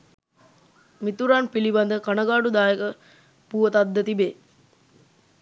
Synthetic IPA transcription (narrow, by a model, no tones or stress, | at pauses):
mit̪uɾanpilibɐnd̪əkanəɡaːɖud̪aːjekə | puʋət̪ɐd̪ːət̪ibe